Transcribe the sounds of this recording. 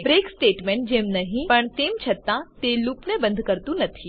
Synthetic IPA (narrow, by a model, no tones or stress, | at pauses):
bɾeːksʈeːʈmẽɳʈ̚d͡ʑeːmnɐɦĩpɐɳt̪eːmt͡ʃʰɐt̪ːãt̪eluːpnẽbə̃nd̪ʱkəɾt̪ũnɐt̪ʰi